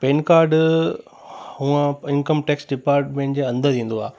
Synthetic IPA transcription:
peːnkaːɾɖ | hũːãɪnkəmʈeːksɖɪpaːɾʈmẽɪɳʈd͡ʑeɐ̃nd̪əɾĩːn̆d̪oa̰ː

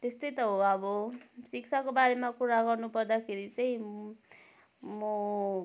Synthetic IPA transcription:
t̪est̪ʌjt̪ʌɦoʌbʌsik̚t͡sʰakobaɾemakuɾaɡʌrnupʌrd̪akʰeɾit͡saĩ | mʌ

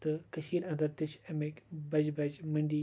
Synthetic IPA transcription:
t̪ɨkɐʃiːɾɐ̃nd̪ɐɾt̪ɪʃɐmekbɐd͡ʒbɐd͡ʑmɐɳɖiː

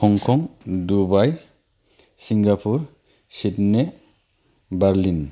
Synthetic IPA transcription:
kʰɔŋkʰɔŋdubaj | siŋɡapʰuɾ | sit̚ne | baɾlin

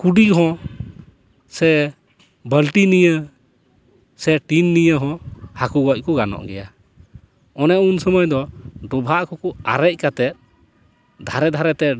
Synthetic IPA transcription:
kuɖiɦɔ̃ | sɛ | bəlʈinijə | sɛʈinːijəɦɔ̃hakuɡɔc̚ˀkɔɡanɔ̰ʔɡɛja | ɔnɛunsɔmɔjd̪ɔɖɔbʱaʔkɔkɔa̰ɾɛc̚kat̪ɛt̪̚ | d̪ʱaɾɛd̪ʱaɾɛt̪ɛ

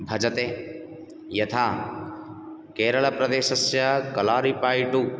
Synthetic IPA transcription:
bʱɐd͡ʒɐt̪eː | jɐt̪ʰaː | keːɾɐɭɐpɾɐd̪eːʃɐsjɐkɐlaːɾipaːjʈu

